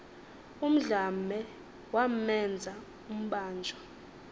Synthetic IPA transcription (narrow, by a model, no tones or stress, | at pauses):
um̩ɮamɛ | wammɛnd͡zʱa | um̩ɓaːnd͡ʒʱɔ